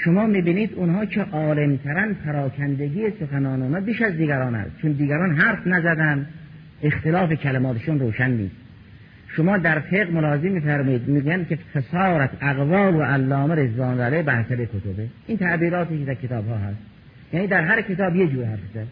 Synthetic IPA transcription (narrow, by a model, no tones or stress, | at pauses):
ʃomɒːmiːbiːniːd̪unɦɒːkʰeʔɒːlemt̪ʰæɾænpʰæɾɒːkʰænd̪eɡiːjesoxænɒːneuːnɒːbiːʃæzd̪iːɡæɾɒːnæ̰st͡ʃʰond̪iːɡæɾɒːnɦæɾfnæzæd̪ænd̪ | e̞xt̪elɒːfekʰælemɒːt̪ʰeʃunroːʃænːḭːst̪ | ʃomɒːd̪æɾfeɣmolɒːhezemːiːfæɾmɔːjiːd̪miːɡuːjænd̪̚kʲʰefesɒːɾæt̪ʰæɣvɒːloʔælːɒːmeɾezɒːnlælebæhsæbekʰot̪ʰobeʔiːnt̪ʰæʔbiːɾɒːt̪iked̪æɾkʰet̪ʰɒːbɦɒːɦæst̪ | jæːniːd̪æɾɦæɾkʰe̞t̪ɒːbjed͡ʒuːɾhæɾfzæd̪